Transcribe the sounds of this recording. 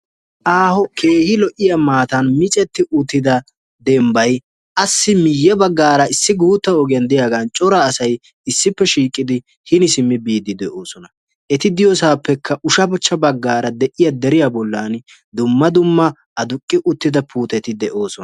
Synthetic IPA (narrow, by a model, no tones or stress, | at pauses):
ʔaːhɔkʰe̞ːhɪlɔʔɪjamaːt̪ɐnmɪt͡ʃʼɛt̪ːɪʔʊt̪ːɪd̪ɐ | d̪ɛmbɐj | ʔɐsːɪmɪjːɛbɐɡːaːɾɐɪsːɪɡuːt̪ːɐɔɡɪjɐnd̪ɪjaːɡaːnt͡ʃʼɔɾɐːsɐj | ɪsːɪpːɛʃiːkʼːɪd̪ɪ | hɪnɪsɪmːɪbiːd̪ɪd̪ɛʔo̞ːsɔnɐ | ʔɛt̪ɪd̪ɪjɔsaːpːɛkʰːɐʔʊʃɐbɔt͡ʃːɐbɐɡːaːɾɐd̪ɛʔɪjɐd̪ɛɾɪjabɔlːan | d̪ʊmːɐd̪ʊmːɐ | ʔɐd̪ʊkʼːɪʔʊt̪ːɪd̪ɐpʰuːt̪ɛt̪ɪd̪ɛʔo̞ːsɔn